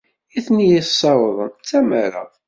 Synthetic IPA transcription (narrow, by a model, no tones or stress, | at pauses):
iθnijəsːɑwðˤənt͡sːæməɾɑ̰